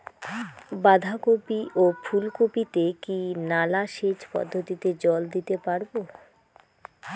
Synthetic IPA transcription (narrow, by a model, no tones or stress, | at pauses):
bad̪ʱakopiʔofʰulkopit̪ekinalaʃet͡ɕpɔ̰d̪ʱːot̪it̪ed͡ʑɔld̪it̪epaɾbo